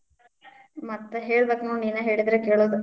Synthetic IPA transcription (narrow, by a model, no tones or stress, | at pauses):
mɐt̪ːɐɦeːɭbeːkːɐnuːniːneɦeːɭid̪ɾekeːɭoːd̪u